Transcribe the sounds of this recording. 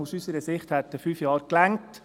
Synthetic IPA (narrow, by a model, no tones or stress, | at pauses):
usysəɾəsɪχthæt̪əfyːfjɑːɾklæŋt